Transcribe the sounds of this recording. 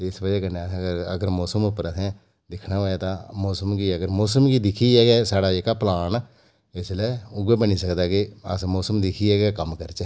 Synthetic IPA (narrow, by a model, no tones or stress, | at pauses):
t̪eɪsbəd͡ʒekəneãɡəɾə̰ɡəɾmɔːsəmʊpːɾəɛ̃ː | d̪ɪkʰnaʋəet̪ãːmoːsəmkiəɡəɾmoːsəmkiːd̪ɪkʰiɛːɡɛːsaːɽaːeːkaːplaːn | ɪslɛːʊɡeːbəniːsəkd̪aːkiə̰smoːsəmd̪ɪkʰiɛːɡɛkəmkəɾt͡ʃɛ